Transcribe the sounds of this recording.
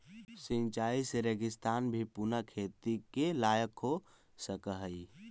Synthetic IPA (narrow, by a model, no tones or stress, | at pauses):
sĩnt͡ʃaiseɾeɡɪst̪aːnbʱipunəkʰet̪ikelajəkɦo | səkəɦəi